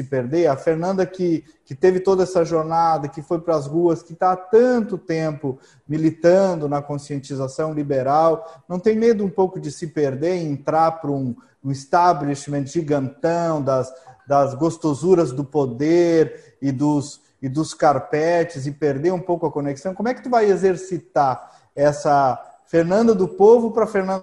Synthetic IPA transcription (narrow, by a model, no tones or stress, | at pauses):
ɪpeɾd̪eɐfeɾnɐ̃nd̪ɐkɪ | kɪt̪evɪt̪od̪ɐɛsɐʒoɾnad̪ɐkɪfojpɾɐzʁuɐskɪt̪aat̪ɐ̃nt̪ʊt̪ẽmpʊ | milit̪ɐ̃d̪ʊnɐkõsiẽnt͡ʃizasɐ̃w̃libeɾawnɐ̃w̃t̪ẽj̃med̪ʊũpowkʊd͡ʒɪsɪpeɾd̪eɾẽnt̪ɾaɾpɾʊ̃ | ũɪst̪ableʃmẽt̪ʒiɡɐ̃nt̪ɐ̃w̃d̪ɐsd̪ɐzɡost̪ozuɾɐzd̪ʊpod̪eɾ | ɪd̪ʊs | ɪd̪ʊskaɾpɛt͡ʃɪzɪpeɾd̪eɾũpowkʊɐkoneksɐ̃w̃komʊɛkɪt̪uvajezeɾsit̪aɾ | ɛsɐfeɾnɐ̃nd̪ɐd̪ʊpovʊpɾɐfeɾnɐ̃